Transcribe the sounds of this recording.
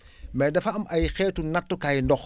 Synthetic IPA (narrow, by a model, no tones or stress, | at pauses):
mɛːdɐfɐɐmɐjxɛːtːunɐtːukaːjndɔx